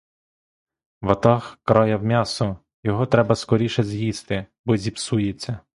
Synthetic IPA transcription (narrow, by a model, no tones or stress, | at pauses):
ʋɐt̪ɑxkɾɑjɐwmʲɑsɔ | jɔɦɔt̪ɾɛbɐskɔɾʲiʃɛzjist̪ɪ | bɔzʲipsujet͡sʲːɐ